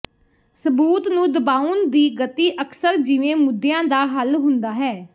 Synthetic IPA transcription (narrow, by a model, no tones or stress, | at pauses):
səbuːt̪nũːd̪əbaːund̪iːɡət̪iːʔəksəɾd͡ʒiʋẽːmʊd̪ejãːd̪aːɦəlɦʊnd̪aːɦɛː